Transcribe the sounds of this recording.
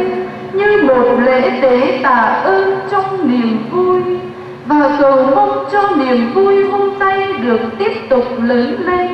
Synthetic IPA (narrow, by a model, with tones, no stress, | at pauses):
ɲɨ˧mo˨˩t̚lḛ˧˥ɗ̪e˧˨˦t̪a̰ː˧˩ʔəː˧nt͡ɕɔ˧wŋ͡mni˨˩əmvu˧j | vaː˨˩t̪ɨ˨˩wmə˧wŋ͡mt͡ɕɔ˧ni˨˩əmvu˧jhə˧ŋ͡mt̪a˧jɗɨ˨˩ək̚t̪i˦˥əp̚t̪ʊ˨˩k͡p̚lə˨˦le˧n